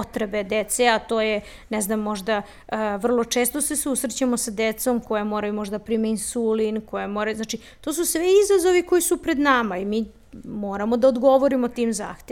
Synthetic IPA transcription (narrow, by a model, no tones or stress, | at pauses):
t̪ɾebed̪et̪seat̪o̞ːje | nɛznamːo̞ʒd̪a | əʋr̩lˠo̞t͡ʂe̞ːst̪osesusɾet͡ɕamosad̪et̪so̞mkojemoɾajumoʒd̪apɾiːmeinsulinkojemo̞ɾajuznat͡ʃi | t̪o̞ːs̬usʋeizazoʋiko̞jisupɾed̪namaimiː | mo̞ːɾamo̞d̪aod̪ɡo̞ʋoɾimot̪iːmza̰ːxt̪e